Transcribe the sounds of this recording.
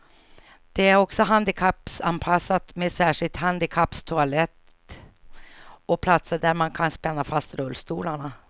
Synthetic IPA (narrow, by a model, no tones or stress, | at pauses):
d̪̥ɛæɾɔksɔɦand̪ɪkʰapːsanpʰasːat̪mɛsæːʂɪlt̪ɦand̪ɪkʰapːst̪ʰʊalɛt̪ | ɔpʰlat̪səɖ̪æɾmankʰanspɛnːafast̪ɾɵlːst̪uːlaɳa